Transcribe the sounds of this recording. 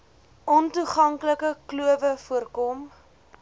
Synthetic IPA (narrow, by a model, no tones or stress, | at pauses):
ʔɔntuχɐŋkləkəkluəvəfuərkɔm